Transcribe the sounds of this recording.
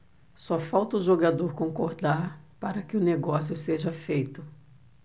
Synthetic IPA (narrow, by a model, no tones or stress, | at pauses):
sɔɐfawt̪ɐʊʒoɡad̪oɾkõŋkoɾd̪aɾpaɾɐkɪʊneɡɔsjʊseʒɐfejt̪ʊ